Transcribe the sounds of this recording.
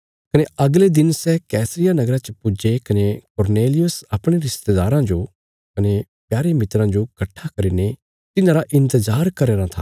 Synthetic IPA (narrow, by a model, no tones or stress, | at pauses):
kɐneɐɡled̪ɪnsɛkɛːsɾɪjanɐɡɾãt͡ʃɐpʊd͡ʒekɐnekʊɾneːlɪjʊsɐpɽ̃eɾɪst̪ed̪aːɾãd͡ʒo | kɐne | pjaːɾemɪt̪ɾãd͡ʒokɐʈʰːakɐɾiːne | t̪ɪnãːɾaʔɪ̃nt̪əzaːɾkɐɾeːɾãt̪ʰa̰ː